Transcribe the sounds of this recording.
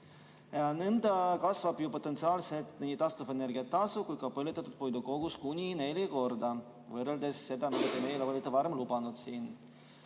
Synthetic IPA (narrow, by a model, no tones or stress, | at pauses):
jɑne̞nd̪ɑkɑsvɑb̥jupo̞t̪ːˑent̪siɑːlset̪nenit̪ɑst̪uvɑene̞ɾɡʲiɑt̪ːɑsukujkɑpɤljut̪ːˑɑt̪ːˑud̪̥̚pojd̪uko̞ɡ̥uskunʲine̞lʲeko̞rd̪ɑ | vɤreld̪e̞sːe̞d̪ɑmid̥̪ɑt̪emejleolʲit̪ːepɑɾemlubɑnud̪̥siːn